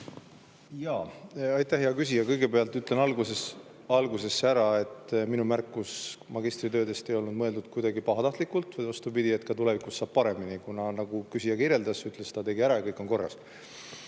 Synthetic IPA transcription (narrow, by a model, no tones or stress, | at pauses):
jɑːɑjt̪ːæhjeɑkys̬ʲijɑkɤjɡe̞pe̞ɑlt̪ːˑyt̪ˑle̞nɑlɡuses | ɑlɡuse̞sːeæɾɑe̞t̪ːˑminumærkːˑusmɑɡist̪rit̪ø̞ːd̪e̞st̪e̞jo̞lnud̪̚mɤ̞e̞ld̪ud̪̥̚kujd̪ɑɡipɑɦɑt̪ɑht̪likːˑult̪ːˑvɤjvɑst̪upid̪̥ie̞t̪kɑt̪ule̞vikusːɑːb̥̚pɑɾe̞minikunɑnɑɡukysijɑkiɾje̞ld̪ɑsyt̪ˑlest̪ɑt̪e̞ɡiæɾɑjɑkɤjkːˑo̞ŋko̞rːɑ̰s